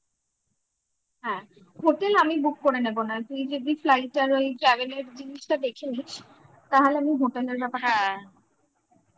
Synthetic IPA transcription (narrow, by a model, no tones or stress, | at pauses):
ɦɛ̃ː | ɦoʈelamibukːoɾenebonat̪ujd͡ʑod̪iflajʈːaɾojʈɾaɡeneɾd͡ʑiniʃʈad̪ekʰeniʃ | t̪aɦoleamiɦoʈeleɾbɛpaa